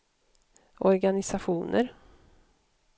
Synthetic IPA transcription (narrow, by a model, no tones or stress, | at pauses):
ʔɔɾɡanɪsaɧuːnə̰ɾ